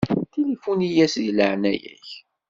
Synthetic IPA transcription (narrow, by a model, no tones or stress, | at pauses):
t̪ilifunijæsðiləʕnæjæ̰ç